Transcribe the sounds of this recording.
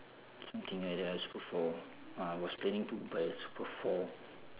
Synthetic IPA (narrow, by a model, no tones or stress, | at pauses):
sʌ̃mt̪ʰĩŋaɾasbəfɔ | awɔspʰlẽnĩŋtubesbəfɔ